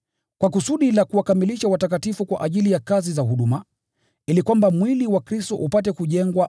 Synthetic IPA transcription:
kwakusuɗilakuwakamiliʃawatakatifukwa̰ʔaʄilijakazizahuɗuma | ilikwambamwiliwakɾistɔʔupatɛkuʄɛŋɡwa

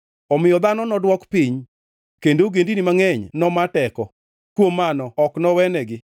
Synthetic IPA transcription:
ɔmɪjɔd̪anɔnɔdwɔkpiɲ | kendoɡendinimaŋɛɲnɔmatɛkɔ | kwomːanɔɔknɔwɛnɛɡɪ

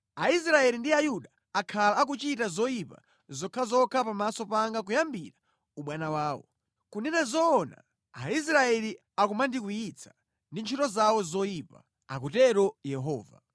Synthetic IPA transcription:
ais̬ɾaɛlindiajuɗaːkʰalaːk̬ut͡ʃitazɔipa̰ | zɔkʰaazɔkʰapamasɔpaŋɡak̬ujambiɾḁ | uɓwanawaːwɔ̰ | kunɛnazɔːna̰ | ais̬ɾaɛli | akumandikujit͡sʰḁ | ndint͡ʃʰutɔzawɔzɔjipa̰ | a̰k̬utɛɾɔjɛɦɔːva̰

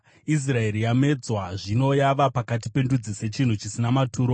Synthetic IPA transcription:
is̬rae̞rijame̞d͡zwaʐino̞jaʋapakatipe̞ndud͡zise̞t͡ʃin̤ut͡ʃisinamatʰuːɾo

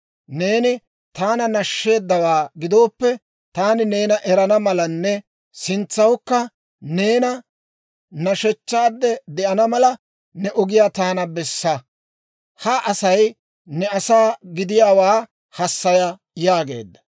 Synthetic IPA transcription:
ne̞ːnɪ | t̪aːnɐnɐʃːe̞ːd̪ːɐwaːɡɪd̪o̞ːpːɛ | t̪aːnɪne̞ːnɐʔɛɾɐnɐmɐlɐnːɛ | sɪnt͡sːɐwkːɐ | ne̞ːnɐ | nɐʃɛt͡ʃːaːd̪ːɛd̪ɛʔɐnɐmɐlɐ | nɛʔɔɡɪjaːt̪aːnɐbɛsːɐ | hɐʔɐsɐj | nɛɐsaːɡɪd̪ɪjaːwaː | hɐsːɐjɐ | jaːɡe̞̰ːd̪ːɐ̥

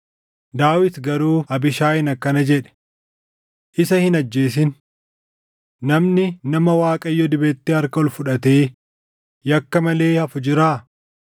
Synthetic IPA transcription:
d̪aːwɪt̪ɡɐɾuːɐbɪʃaːɪnɐkːɐnɐd͡ʒɛᶑɛ̥ | ʔɪsɐhɪnɐd͡ʒːe̞ːs̬ɪn | ɐmnɪnɐmɐwaːkʼɐɪjːɔd̪ɪbeːt̪ːeːɐɾkɐɔlfʊᶑɐt̪eː | jɐkːɐmɐle̞ːhɐfʊd͡ʒɪɾaː

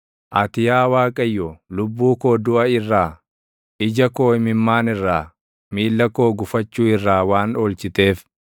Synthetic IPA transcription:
ʔɐt̪ɪjaːwaːkʼɐjːɔlʊbːuːko̞ːd̪ʊʔɐɪrːaː | ʔɪd͡ʒɐko̞ːɪmɪmːaːnɪrːaː | miːlːɐko̞ːɡʊfɐt͡ʃːuːɪrːaːwaːno̞ːlt͡ʃɪt̪e̞ːf

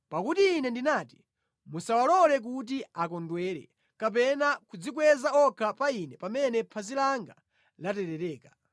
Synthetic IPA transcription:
pakutiːnɛndinaːti̥ | musawalɔlɛk̬ut̬iakɔndwɛɾɛ̰ | kap̬ɛnakud͡zikwɛzaɔkʰapainɛpamɛnɛpʰazilaŋɡa | latɛɾɛɾɛːkḁ

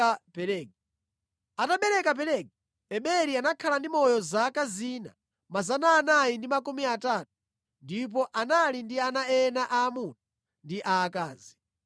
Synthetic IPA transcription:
apɛɾɛɡi | ataɓɛɾɛkap̬ɛɾɛɡi | ɛɓɛɾianakʰalandimɔjɔzakaziːna̰ | mazanaːnajindimakumiatat̚u̥ | ndip̬ɔʔanalindianaɛnaʔaːmutḁ | ndiʔaːkaːzi

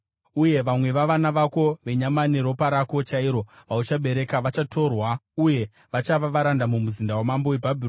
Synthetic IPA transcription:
uje̞ʋamwe̞ʋaʋanaʋako̞ʋe̞ɲamaniɾo̞paɾako̞t͡ʃaiɾo̞ʋaut͡ʃaɓe̞ɾe̞kaʋat͡ʃatʰo̞rwauje̞ | ʋat͡ʃaʋaʋaɾandamumuzindawamambowe̞bʱabʱir

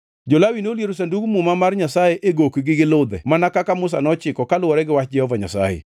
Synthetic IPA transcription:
d͡ʒolawinoljeɾosandukmumamarɲasajeʔeɡokɡɪɡɪlʊd̪ɛ̰manakakamʊs̬a̰nɔt͡ʃɪkɔkalwɔɾɛɡɪwat͡ʃd͡ʒɛhɔvaɲa̰sa̰jḛ

